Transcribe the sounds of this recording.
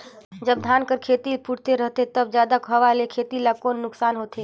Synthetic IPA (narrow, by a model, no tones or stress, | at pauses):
d͡ʒəb̚d̪ʱankəɾkʰet̪ipʰuɽt̪eɾəɦt̪et̪əbd͡ʒjad̪akɦəʋalekʰet̪ilakonːʊksaːnɦot̪e